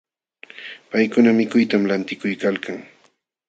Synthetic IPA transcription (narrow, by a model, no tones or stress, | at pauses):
pajkʊnamɪkʊjt̪amlant̪ɪkʊjkalkaŋ